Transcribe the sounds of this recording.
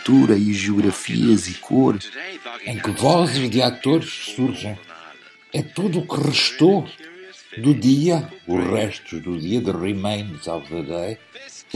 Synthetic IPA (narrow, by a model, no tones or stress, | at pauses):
t̪uɾɐiʒiuɣɾɐfḭɐzikʰoɾẽj̃kɨvɔzɨʒðɨat̪oɾʃsuɾʒẽj̃ | ɛt̪uðukɨʁɨʃt̪o | d̪uðiɐuʒʁɛʃt̪uʒðuðiɐðɨʁimejnzalvðɐðej